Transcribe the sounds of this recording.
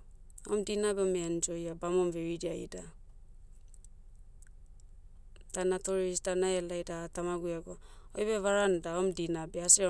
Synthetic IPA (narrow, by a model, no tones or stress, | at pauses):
o̰mdinabeomend͡ʒojabamomveɾidiajda | d̥anatoɾiisdanaalajdatamaɡuaɡo | ojbeβaɾandaomdinabeasia